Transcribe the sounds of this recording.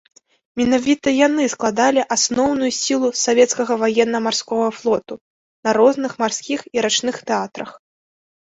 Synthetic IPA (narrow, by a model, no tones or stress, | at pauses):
mʲɛnavʲit̪ɐjanɨsklˠad̪alʲiʔasnɔwnujusʲilˠusavʲɛt̪skɐɣɐvajɛnːɐmarskɔɣɐflˠɔt̪u | nɐɾɔznɨxmarskʲixiɾat͡ʂnɨxt̪ɛat̪ɾɐx